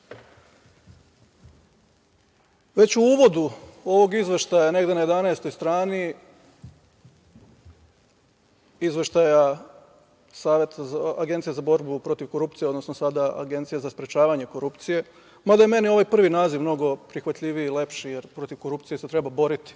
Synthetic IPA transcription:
ʋe̞t͡ɕuuːʋo̞d̪uo̞ʋo̞ɡizʋeʃt̪ajane̞ɡd̪e̞najed̪anaest̪o̞jst̪ɾaːni | izʋeʃt̪aja | saːʋe̞t̪aaaɡent̪ijezabo̞ɾbupɾo̞t̪iʋko̞ɾup̚t̪sijeod̪no̞snosad̪aa̰ɡe̞nt̪ijezaspɾet͡ʃaːʋaɲe̞ko̞ɾupt̪sije̞ | mad̪ajeme̞nio̞ʋajpr̩ʋinaːziʋmno̞ɡo̞pɾixʋat̪ʎʲiʋijile̞pʃije̞ɾpɾo̞t̪iʋko̞ɾupt̪ije̞se̞t̪ɾe̞babo̞ɾit̪i̥

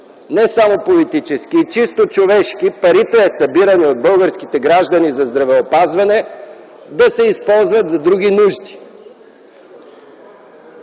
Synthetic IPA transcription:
nɛsamopolit̪it͡ʃɛskiːt͡ʃist̪ot͡ʃovɛʃk̟ipɐɾit̪ɛːsɐbiɾəniod̪̚bəlˠɡəɾskit̪ɛɡɾaʒd̪ɐnizɐzd̪ɾɐvɛopazvɐnɛ | d̪ɐsɛispɔlˠzvɐt̪zɐd̪ɾuɡ̟inuʒd̪i̥

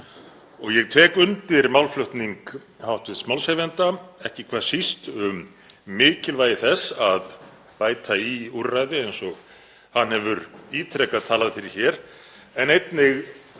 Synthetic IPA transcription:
ɔɣjɛɣt̪ʰɛːkʏnt̪ɪɾmawlflœht̪niŋk | hawht̪vɪðsmawlsheːvjɛnt̪aɛhcɪkʰvḁːsist̪ʏmː | ɪːcɪlvaːjɪθɛsːað | paːjt̪ʰaiuɾːajðɪejnsɔɣ | hanhɛvʏɾiːt̪ʰɾɛkaðt̪ʰaːlaðfɪɾɪɾ̥çɛɾ̥ | ɛnejt̪nɪɣ

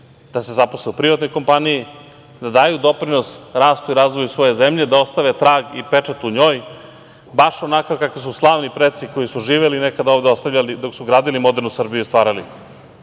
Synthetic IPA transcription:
d̪̥ase̞zaposleupɾiʋat̪no̞jko̞mpaniji | d̪ad̪aːjud̪o̞pɾino̞sɾaːst̪uiɾaːzʋo̞jusʋo̞je̞zemʎed̪ao̞st̪aʋet̪ɾaːɡipe̞t͡ʂat̪uɲo̞ːj | baʃonakakakʋis̬uslˠaːʋnipɾet̪siko̞jisuʒiːʋelinekad̪aoːvd̪eost̪avʎalid̪o̞ksuɡɾaːd̪ilimo̞d̪eɾnusr̩bijust̪ʋaːɾali

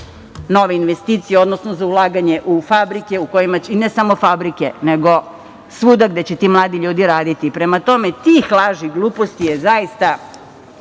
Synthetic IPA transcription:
no̞ʋeinʋest̪iːt̪sijeo̞d̪nosnozaulˠaːɡaɲe̞ʔufabɾikeuko̞jimat͡ɕinesamo̞fabɾikeneɡo | sʋuːd̪aɡd̪et͡ɕet̪iːmlˠaːd̪iʎuːd̪iɾaːd̪it̪ipɾemat̪o̞me̞t̪ixlˠaʒiɡlˠuːpost̪ijezajist̪a

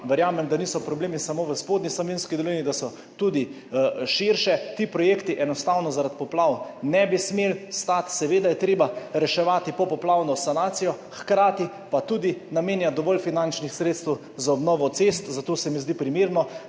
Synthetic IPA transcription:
ʋəɾjaːmɛmd̪aniːsɔpɾɔbleːmisamoːʋəspoːd̪nislɔʋenskid̪ɔlinid̪asɔ | t̪ud̪i | ʃiɾʃɛt̪ipɾɔjeːkt̪iʔɛnɔst̪aːwnɔzaɾat̪pɔplawnɛbismelst̪at̪sɛʋeːd̪ajɛt̪ɾeːbaɾɛʃɛʋaːt̪ipɔpɔplawnɔsanaːt̪sijɔxkɾaːt̪i | pat̪uːd̪inameːnjad̪ɔʋɔlfinant͡ʃnixsɾeːt̪st̪ɛw | zaɔbnɔːʋɔt̪sest̪zat̪oːsɛmizd̪ipɾimeːɾnɔ

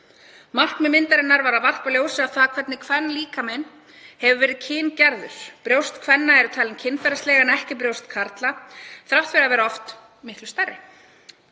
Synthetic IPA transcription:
mar̥knmɛmɪnt̪aɾɪnːaɾvaɾaðvar̥paljoːwsɪaθaːkʰvɛt̪nɪkʰvɛnːliːkamɛn | hɛvʏvɛːɾɪðcʰɪːncɛɾðʏ̰ɾ̥pɾjowst̪kʰvɛnːaɛɾʏt̪ʰaːjlɪmcʰɪnfɛɾast̪lɛːɣanɛhcɪp̬ɾjowst̪kʰaɾt̪laθɾawt̪fvɪɾavɛːɾaɔft̪ | mɪht̪lʏst̪ɛrɪ

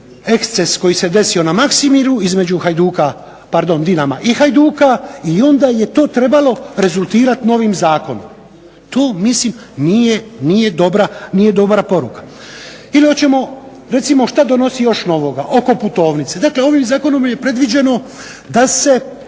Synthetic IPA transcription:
e̞kst̪e̞sko̞jise̞d̪e̞sio̞namaksimiɾuizme̞d͡ʑuxajd̪uka | paɾd̪o̞nd̪inamaʔixajd̪uːkaio̞nd̪aːje̞t̪o̞ːt̪ɾe̞balo̞ɾe̞zulˠt̪iːɾat̪no̞ʋimzaːko̞no̰m | t̪o̞ːmislim | nijenije̞d̪obɾanije̞d̪o̞bɾapo̞ɾukḁ | ilio̞t͡ɕe̞mo̞ | ɾe̞t̪simo̞ʃt̪ad̪o̞no̞sijo̞ʃno̞ʋo̞ɡaʔo̞ko̞put̪o̞ːʋnit̪se̞d̪akle̞o̞ʋimzaːko̞no̞mje̞pɾe̞d̪ʋid͡ʒe̞no̞ | d̪ase̞

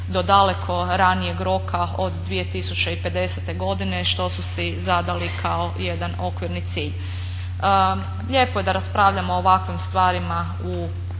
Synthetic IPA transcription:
d̪o̞d̪ale̞kʰo̞ɾanije̞ɡɾo̞kao̞d̪ːʋije̞t̪isut͡ɕeipe̞d̪e̞set̪e̞ɡo̞d̪ine̞ʃt̪o̞susizad̪alikʰao̞jed̪ano̞kʋiɾnit̪siːʎ | ʎe̞ːpoje̞d̪aɾaspɾaːʋʎamoːʋakʋimst̪ʋaːɾima | u

